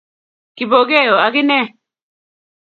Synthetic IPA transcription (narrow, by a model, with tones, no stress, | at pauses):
ki˨bo˨ɡe˦˨jɔ˨a˨ɡɪ˦nɛ˦